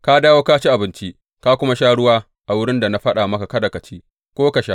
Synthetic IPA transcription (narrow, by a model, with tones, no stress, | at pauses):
ka˦daː˦woː˦ka˦t͡ʃi˦ʔa˨bɪ˦nt͡ʃi˦ʔ | ka˦kʷʊ˦ma˦ʃaː˦ɽʊ˦waː˦ | ʔa˨wʊ˦ɽɪ˦nda˨na˦ɸɐ˦ɗa˨mɐ˦ka˨kɐ˦da˨kɐ˨t͡ʃiː˦ | kʷoː˦ka˨ʃa˦